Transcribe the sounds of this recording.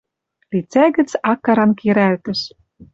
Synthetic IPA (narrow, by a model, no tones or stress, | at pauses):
lit͡sæɣɘ̆t͡sɑkːɑɾɑnkiɾælt̪ɘ̆ʃ